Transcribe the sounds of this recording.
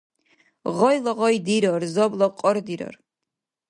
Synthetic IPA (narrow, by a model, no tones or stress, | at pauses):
ʁɔjlɔʁɔjd̪iɾɔrzɔblˠɔqʼɔɾd̪iɾɔ̰r